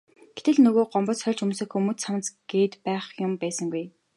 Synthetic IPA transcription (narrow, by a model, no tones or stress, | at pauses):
ɡ̥et̪ɘ̆ɮnɵɣoːɢɔmpɞ̆sχœɮʲt͡ɕɵmsɘ̆kxumŭːsamt͡sɡ̥eːt̪pæːχjʊmpæːsə̆ŋɡuj